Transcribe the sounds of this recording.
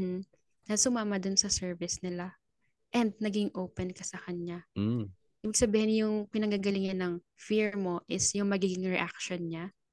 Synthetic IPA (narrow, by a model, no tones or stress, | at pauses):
m̩h̩ | nɐsʊmaːmɐd̪ʊnsɐsɛɹvɪsnɪla | ʔɛnd̪̚nɐɡiɡɪŋʔoːpɛnkɐsɐkɐɲa | ʔiːbɪɡ̚sɐbiːhɪnjʊŋpɪnɐŋɡaːɡɐlɪŋɲanɐŋ | fiɹmo̞ʔɪsjʊŋmɐɡiːɡɪŋɹɛʔak̚ʃonɲa